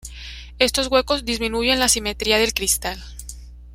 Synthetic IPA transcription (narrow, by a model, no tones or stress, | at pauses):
e̞st̪o̞zɣwe̞ko̞zd̪izmĩnuʝe̞nlasime̞t̪ɾiaðe̞lkɾist̪al